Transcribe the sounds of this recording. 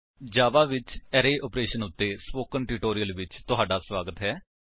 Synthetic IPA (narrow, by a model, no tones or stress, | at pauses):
d͡ʒaːʋaːʋɪt͡ʃɛːɾeːʔɔːpɾeːʃənʊt̪ːeːsmoːkənʈɪːʈoːɾijəlʋɪt͡ʃt̪ʊɦaːɖaːsʋaːɡət̪ɦɛː